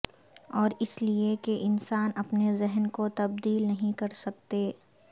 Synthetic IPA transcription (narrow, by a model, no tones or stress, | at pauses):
ɔːɾɪsliekeʔɪnsaːnɐpnezɛɦnkot̪ɐb̚d̪iːlnɐɦĩkɐɾsɐk̚t̪eː